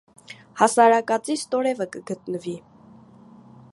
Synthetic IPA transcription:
hɑsɑɾɑkɑt͡sist̪ɔɾɛvəkəɡət̪nəvi

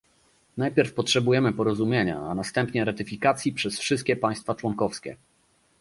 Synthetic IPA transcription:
najpʲɛɾfpɔtʂɛbujɛmɘpɔɾɔzumʲjeɲa̰a̰nast̪ɛmpɲɛɾat̪ɘfʲikat̪sʲjipʂɛsfʂɘst̪kʲɛpaj̃st̪fat͡ʂwɔŋkɔfskʲɛ̰

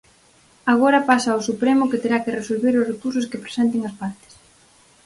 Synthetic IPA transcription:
aɣ̞oɾɐpasaosupɾemʊket̪eɾakeresolβeɾʊsrekuɾs̬ʊskepɾe̥sɛnt̪̬eŋɐspaɾt̪ɪ̥s

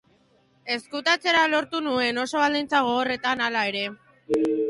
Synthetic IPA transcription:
e̞skut̪at͡se̞ɾalo̞ɾt̪unue̞no̞so̞β̞ald̪int͡saɣ̞o̞ɣo̞re̞t̪analae̞ɾe̞

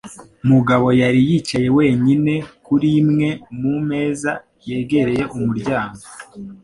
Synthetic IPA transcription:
muɡaβo̞jaɾijit͡ʃaje̞we̞ːɲine̞kuɾimŋe̞mume̞ːza | je̞ːɡe̞ɾe̞je̞ʔumuɾɟaːŋɡo

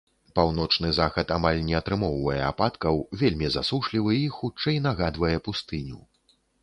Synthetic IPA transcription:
pawnɔt͡ʂnɨzaxɐt̪amalʲnʲɛɐt̪ɾɨmɔwvɐjɛapat̪kɐwvʲelʲmʲizasuʂlʲivɨixut͡ʂɛjnaɣad̪vɐjɛpust̪ɨnʲṵ

